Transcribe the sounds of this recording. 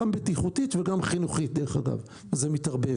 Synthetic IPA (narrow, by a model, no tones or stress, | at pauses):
ambet̪iχut̪it̪veɡamχinuχit̪̚d̪eʁeχaɡa̰v | zemit̪aʁbe